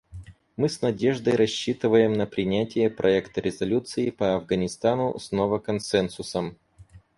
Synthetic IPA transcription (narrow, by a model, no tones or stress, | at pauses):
mɨsnɐdʲe̞ʐd̪əjɾɐɕːit̪ɨvəjɪmnəpɾʲɪnʲætʲɪjəpɾʔɐɛkt̪əɾʲɪzɐlʲut̪sɨɪpəɐvɡɐnʲɪst̪anʊsnovəkɐnsɛnsʊsəm